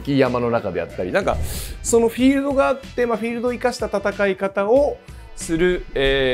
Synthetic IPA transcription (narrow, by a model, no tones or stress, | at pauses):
kʲijamano̞nakad̪e̞ja̰t̪ːaɾʲinãŋka̰so̞noɸʲiːɾɯ̟d̪o̞ɡaːt̪ːe̞maɸʲiːɾɯ̟d̪o̞ikaɕi̥t̪at̪at̪akaikat̪ao | sɨɾɯ̟eː